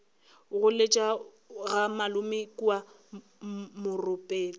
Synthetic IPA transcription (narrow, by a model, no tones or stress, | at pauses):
ɣʊlet͡ʃʼa | ɣamalʊmɪkʼua | mʊrʊpʼeːli